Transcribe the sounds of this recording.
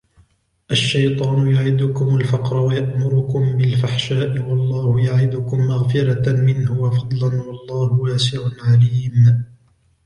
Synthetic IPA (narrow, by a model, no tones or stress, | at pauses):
ʔaʃːajt̪ˤɑːnʊjʊʕɪd̪ʊkʊmʊlfɑqɾˤɑwajaʔmʊɾʊkʊmbɪlfaħʃaːʔɪwɑlˤːɑːhʊjaʕɪd̪ʊkʊmːaɣfɪɾamɪnhʊwafɑd̪ˤlanwɑlˤːɑːhʊwaːsɪʕʊnʕaliːm